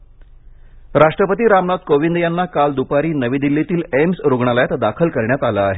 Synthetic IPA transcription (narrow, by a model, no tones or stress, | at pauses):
ɾaʂʈɾəpət̪iːɾamnad̪̚koʋind̪janːakald̪upaɾiːnəʋiːd̪ilːit̪iːlemsɾuɡɳaləjat̪d̪akʰəlkəɾɳjat̪alaːɦe